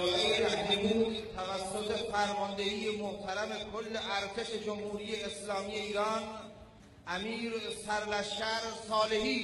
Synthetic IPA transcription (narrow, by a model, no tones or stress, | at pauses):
eehæd͡ʒebuːd̪t̪ʰævæsːot̪ʰefæɾmɒnd̪e̞hiːjemoht̪ʰæɾæme̞kʰolːeʔæɾt̪ʰe̞ʃe̞d͡ʒomhuːɾiːjeːslɒːmije̞iːɾɒːn | ʔæmiːɾsæɾlæʃæɾsɒːle̞ɦiː